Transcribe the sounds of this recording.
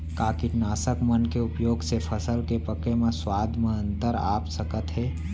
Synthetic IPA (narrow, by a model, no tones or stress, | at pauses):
kaːkiʈnaːsəkmənkeʊpjoːɡsepʰəsəlkepəkemẽswaːd̪ʱmẽə̃nt̪əɾa̰ːpsəkət̪ɦɛː